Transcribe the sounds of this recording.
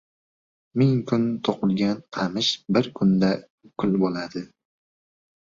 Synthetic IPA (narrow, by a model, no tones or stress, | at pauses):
mɪŋkʰʊnt̪ʰoqɨlˠɡʲanqʰɑmɪʃbɪɾkʰʊnd̪a | kʰʊlˠbolad̪ɪ